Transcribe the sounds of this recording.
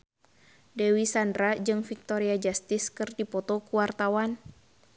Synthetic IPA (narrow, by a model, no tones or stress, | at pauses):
dɛwisandɾad͡ʒɨŋfik̚t̪oɾiad͡ʒast̪ɪskɨrdipɔt̪ɔkuwart̪awan